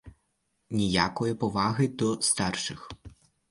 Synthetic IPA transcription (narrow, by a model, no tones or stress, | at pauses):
nʲijakɔjɐpɔvaɣɨd̪ɔst̪arʂɨx